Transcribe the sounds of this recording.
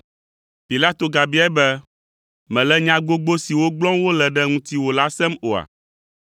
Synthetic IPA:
pi˨la˦t̪o˨ɡa˨bi˦ɛ˦bɛ˦ | mɛ̃˨lɛ˦ɲã˦ɡ͡bo˦ɡ͡bo˦si˨wo˦ɡ͡blɔ̃˦mwo˦lɛ˨ɖɛ˦ŋũ˦t̪i˦wo˨la˦sɛ˦mo˨a̰˨

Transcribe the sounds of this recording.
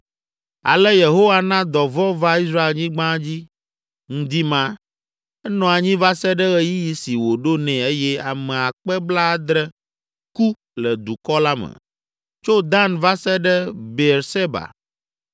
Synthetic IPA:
a̰˨lɛ˦je˨ɦo˦wa˦nã˦d̪ɔ˨vɔ˦va˦i˦s̬ɾa˦e˨lɲĩ˦ɡ͡bã˦d͡ʑi˦ | ŋ̩̃˦d̪i˦mã˦ | ɛ˦nɔ̃˨a˨ɲĩ˦va˦sɛ˦ɖɛ˦ɣɛ˦ji˦ji˦si˨wo˨ɖo˦nɛ̃˨e˦jɛ˦a˨mɛ̃˨a˨k͡pɛ˦bla˦d̪ɾɛ˦ | ku˦ | lɛ˨d̪u˨kɔ˦la˦mɛ̰˨ | t͡ʃo˦d̪a˦nva˦sɛ˦ɖɛ˦be˨ɾse˦ba̰˨

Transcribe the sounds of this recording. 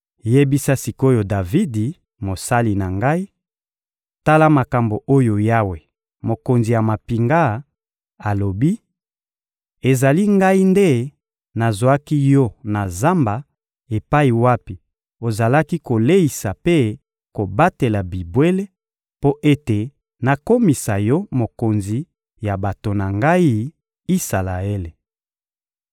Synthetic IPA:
je˦bi˦sa˦si˨ko˦jo˨da˨vi˦di˨ | mo˨sa˦li˨na˨ŋɡa˦i˦ | ta˦la˦ma˨ka˨mbo˨ʔo˦jo˨ja˦we˨ | mo˨ko˨nzi˨ja˨ma˨pi˨ŋɡa˦ | a˨lo˨bi˦ | e˨za˨li˦ŋɡa˦i˦nde˦ | na˨zo˨a˦ki˦jɔ˦na˨za˦mba˨ | e˨pa˦i˨wa˦pi˨ | o˨za˨la˦ki˦ko˨le˦i˨sa˨pe˦ | ko˨ba˦te˨la˨bi˨bwe˦le˦ | po˦ʔe˦te˨ | na˨ko˦mi˨sa˨jɔ˦mo˨ko˨nzi˨ | ja˨ba˨to˨na˨ŋɡa˦i˦ | i˦sa˨la˨e˦le˨

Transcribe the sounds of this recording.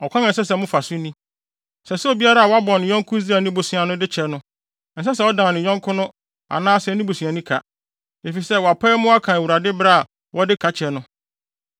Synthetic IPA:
ɔ˨kʰɔ̃˦nã˨n˨s̬ɛ˦sɛ˨mʊ̃˦fa˨sʊ˦nĩ˦ | sɛ˨sʊ˦ɔ˦˨bi˦a˦ɾa˦a˨wɔ˦a˦bɔ̃˨nɪ̃˨ɲɔ̃˦ŋ˦kʰʊ˦zi˦a˨nĩ˦bo˨sʊ̃˨a˨nʊ̃˦dɪ˦t͡ɕʰɛ˨˦nʊ̃˦ | n̩˨s̬ɛ˦s̬ɛ˨˦ɔ˦dã˨nɪ̃˨ɲɔ̃˦ŋkʰʊ̃˦nʊ̃˦ | a̰˨nãː˦sɛ˨˦nĩ˦bo˨sũ˨a˨nũ˦kʰa˨ | e˨fi˨sɛ˦wɔ˨a˨pʰɛ˦mʊ̃˦a˦kʰã˨e˨wu˨ɾa˨dɪ˦bɾa˦a˨ | wɔ˦dɪ˦kʰa˨t͡ɕʰɛ˨nʊ̃˦

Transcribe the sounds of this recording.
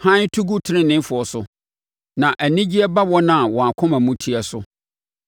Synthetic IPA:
hã˦n˦tʰu˦ɡu˦tʰɪ˨˦ɪ̃˦nɪ̃˦fʊ˨ɔ˨sʊ˨ | nã˨ʔæ˨nĩ˦d͡ʑi˦ɛ˦ba˦wɔ˦nã˨wɔ̃˨a˨kʰʊ̃˦mã˨mũ˦tʰi˦ɛ˨sʊ˦

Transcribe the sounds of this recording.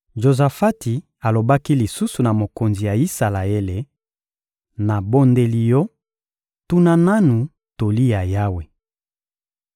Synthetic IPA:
ʒo˨za˨fa˦ti˨ | a˨lo˨ba˦ki˦li˨su˦su˨na˨mo˨ko˨nzi˨ja˨i˦sa˨la˨e˦le˨ | na˨bo˦nde˦li˦jɔ˦ | tu˦na˦na˦nu˨ | to˨li˦ja˨ja˦we˨

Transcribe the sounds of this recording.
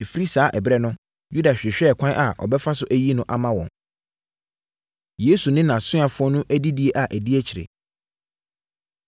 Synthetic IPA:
e˨fɾi˦saː˨˦ʔɛ˨bɾɛ˦nʊ̃˦ | ju˦da˨ɕᶣɪ˨ɕᶣɛː˦˨kʷʰã˦nʔa˨ʔɔ̰˨bɛ˦fa˦sʊ˦ʔæ˦ji˦nʊ̃˦ʔa˨mã˦wɔ̰̃˨n | je˦su˨nɪ̃˦nã˨sʊ̃˦a˨fʊ˦ɔ˦nʊ̃˦ʔæ˦di˦di˦e˦ʔa˨ʔæ˨di˦ɛ˦t͡ɕʰɪ˨ɾɪ̰˨

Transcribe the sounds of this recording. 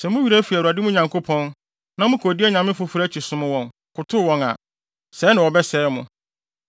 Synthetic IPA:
sɛ˨mʊ̃˦ɥi˨ɾæ˦fi˨u˨a˨dɪ˦mʊ̃˦ɲã˨ŋkʰo˦pʰɔ̃˦n | nã˦mʊ̃˦kʰo˨di˦æ˦ɲã˨mɪ̃˦fʊ˨fʊ˨ɾæ˦t͡ɕʰi˨sʊ̃˦mʊ̃˦wɔ̃˨n | kʰʊ˨tʰʊ˦wɔ̃˨na̰˨ | sɛ˨˦nã˨wɔ˨bɛ˦sɛ˦mʊ̃˨

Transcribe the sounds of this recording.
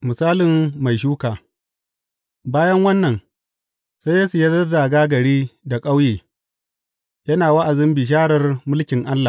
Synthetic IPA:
mʊ˨saː˦lɪ˨mːa˨jʃ̬uː˦kaː˨ | baː˦jɐ˦ŋwɐ˦nːɐ˨n | sa˦jjɐː˦su˨ja˦dɐ˦da˨ɡaː˦ɡɐ˨ɽiː˦da˨kʼa˦wjeː˨ | jɐ˦naː˨wɐ˦ʔa˨zɪ˦mbɪ˨ʃ̬aː˦ɽɐ˨rmʊ˦lkʲɪ˨ŋʔa˦lːa˨

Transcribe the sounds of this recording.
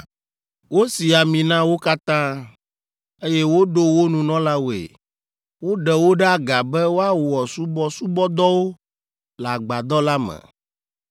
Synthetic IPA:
wo˦si˨a˨mĩ˨nã˦wo˦ka˦t̪ã˦ | e˦jɛ˦wo˦ɖo˦wo˦nũ˨nɔ̃˦la˦wo˨ḛ˨ | wo˦ɖɛ˨wo˦ɖɛ˦a˦ɡa˨bɛ˦wo˦a˦wo˨ɔ˨su˦bɔ˦su˦bɔ˦d̪ɔ˦wo˦ | la˨ɡ͡ba˨d̪ɔ˦la˦mɛ̰̃˨

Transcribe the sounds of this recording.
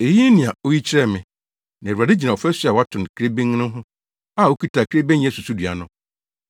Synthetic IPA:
e˨ji˦nɪ̃˨a˨o˦ji˦t͡ɕʰɪ˦ɾɛ˦˨mɪ̃˨ | nã˨ɾa˨dɪ˦d͡ʑi˨nã˨ɔ˨fɛ˦sɥa˨wa˦tʰʊ̃˨n˨kʰɾe˦bẽ˦ŋː˦nɪ̃˦ɦʊ̃˦ | a˦˨o˦kʰi˦tʰa˨kʰɾe˦bẽ˦ñ˦su˨su˦dɥa̰˨nʊ̃˦

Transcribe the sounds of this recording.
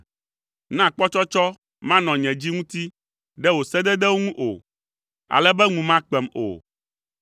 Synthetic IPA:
nã˦˨k͡pɔ˦t͡ʃɔ˦t͡ʃɔ˦ | mã˦nɔ̃˨ɲɛ̃˨d͡ʑi˦ŋũ˦t̪i˦ | ɖɛ˦wo˨sɛ˦d̪ɛ˦d̪ɛ˦wo˦ŋũ˦ʔo̰˨ | a̰˨lɛ˦bɛ˦ŋũ˨mã˦k͡pɛ˨mo̰˨

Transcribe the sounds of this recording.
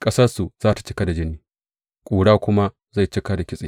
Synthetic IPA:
kʼɐ˦sɐ˦rsu˨z̥aː˦tḁ˨t͡ʃɪ˦ka˦da˨d͡ʒɪ˦nːiː˦ | kʷʼuː˨ɽaː˦kʷʊ˦ma˦ | za˦˨jt͡ʃɪ˦ka˦da˨kʲɪ˦sʼeː˨

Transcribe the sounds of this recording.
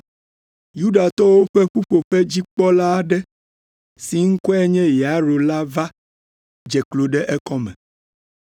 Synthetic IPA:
ju˦ɖa˨t̪ɔ˦wo˦ɸɛ˦ɸu˦ɸo˨ɸɛ˦d͡ʑi˦k͡pɔ˦la˦ɖɛ˦ | si˨ŋ̩˦kɔ˦ɛ˦ɲɛ̃˦ja˨˦ɾo˨la˦va˦ | d͡ʒɛ˨klo˨ɖɛ˦ʔɛ˦kɔ˦mɛ̰̃˨

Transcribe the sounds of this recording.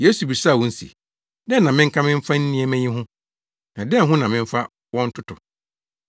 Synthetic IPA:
je˦su˨bi˨sa˦˨wɔ̃˦n̩˦sḭ˨ | dɛ˦nã˨mɪ̃˦ŋ̩˦kʰã˦mɪ̃˦m̩˦fa˦n̩˦nĩ˦e˦mɛ̃˦ɲĩ˦ɦʊ̃˦ | nã˨dɛ˦˨ɦʊ̃˦nã˨mɪ̃˦ɱ˦fa˦ | wɔ̃˦n̩˦tʰʊ˦tʰʊ˨

